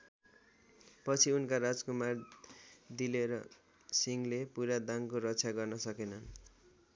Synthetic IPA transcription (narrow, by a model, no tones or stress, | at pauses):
pʌt͡sʰiunkaɾad͡zkumar | d̪ileɾʌ | siŋlepuɾad̪aŋkoɾʌtt͡sʰaɡʌrnʌsʌkenʌn